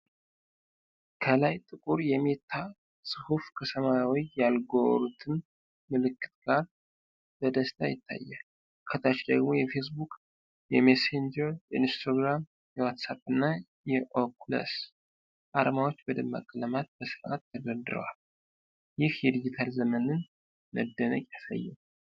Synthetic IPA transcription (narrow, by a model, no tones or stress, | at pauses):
kʰəlajt̪ʼɨkʼuɾjɛme̞t̪ʰːa | sʼɨhufkʰəsʰəmawijːjalɡo̰ɾut̪ʰɨn | mɨlɨkːɨ̥t̪̚ɡaɾ | b̥əd̪əst̪ʰajɪt̪ʰːa̰jːa | kʰət̪ʰat͡ʃd̪əɡmo̞jɛfe̞s̬bukʼ | jɛmesend͡ʒəɾjɛinst̪ʰaɡɾam | jɛwat̪saβɨnːa | jɛʔokʰlə̰s | ʔaɾəmawo̞t͡ʃːbəd̪ɨmːa̰kʼːələmat̪̚bəsɨɾʔat̪ːəɡəd̪ɨɾə̰wa̰l | jɪhjɛd̪id͡ʒit̪ʰalzəmənɨn | mə̰d̪ːənə̰kʼjasə̰jːɛm